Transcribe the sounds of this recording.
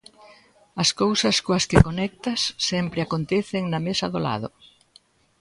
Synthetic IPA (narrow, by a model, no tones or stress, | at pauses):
ɐskowsɐskoɐskɪkonɛk̚t̪ɐsːɛmpɾɪakont̪ɛθɪŋnɐmesɐðola̰ðʊ̰